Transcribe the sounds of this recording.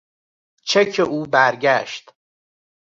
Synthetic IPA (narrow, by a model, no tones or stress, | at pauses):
t͡ʃʰecʰeʔuːbæɾɟæʃt̪